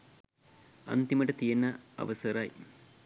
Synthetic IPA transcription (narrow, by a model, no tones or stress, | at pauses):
ɐ̰nt̪imɐʈɐt̪ijɐnːɐɐ̰ʋɐsɐɾaːj